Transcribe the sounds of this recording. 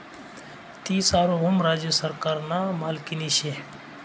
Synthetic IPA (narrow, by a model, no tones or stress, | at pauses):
t̪iːsaːɾoːɦʊmɾaːd͡ʒjəsəɾkaːɾnaːmaːlkiniːʃe